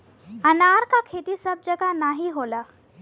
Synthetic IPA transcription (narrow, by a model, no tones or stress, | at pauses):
ənaːɾkakʰeːt̪isəb̚d͡ʒəɡanaːɦiɦolaː